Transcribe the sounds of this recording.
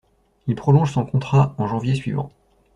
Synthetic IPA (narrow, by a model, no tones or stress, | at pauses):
ilpχɔlɔ̃ʒsɔ̃kɔ̃t̪χaɑ̃ʒɑ̃vjesɥivɑ̰̃